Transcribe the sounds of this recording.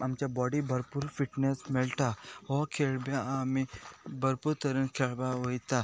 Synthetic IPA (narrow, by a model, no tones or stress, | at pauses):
amt͡ʃabɔːɖibʱɐɾpuɾfiʈnesmelʈ̪aɔkʰeɭbjamibʱɐɾpuɾt̪ɐɾənkʰeɭbaɦojt̪a